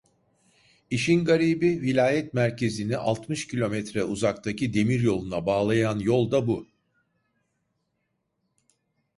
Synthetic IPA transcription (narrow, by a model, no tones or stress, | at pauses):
iʃinɡaɾibivilʲaːjɛt̪mæɾcʰe̞ziniʔa̰lˠt̪mɯʃcʰilʲo̞mɛt̪ɾɛuzakt̪ʰacʰid̪e̞miɾjo̞lˠunabaːlˠajanjo̞lˠd̪abu